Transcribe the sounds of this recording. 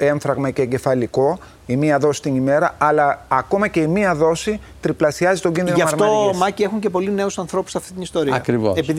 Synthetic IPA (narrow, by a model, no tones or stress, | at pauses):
e̞ɱfɾɐɣmɐce̞ɟe̞fɐliko̞ | imiɐðo̞si̥t̪inime̞ɾɐɐlɐːko̞mɐce̞imiɐðo̞si | t̪ɾiplɐsiɐzit̪oɟinðinɐɐfɾmt̪omɐcie̞xuɲce̞po̞line̞usɐnθɾo̞pu̥sɐft̪int̪inist̪o̞ɾiɐɐkɾivoepið